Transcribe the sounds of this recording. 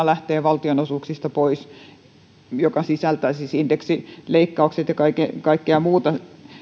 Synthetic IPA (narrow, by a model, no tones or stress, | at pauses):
ɑlæht̪eːʋɑlt̪ionosuksist̪ɑpois | jokɑsisælt̪ˑæisisind̥̪eksileikːɑukset̪jɑkɑikekɑikːeɑmuːt̪ɑ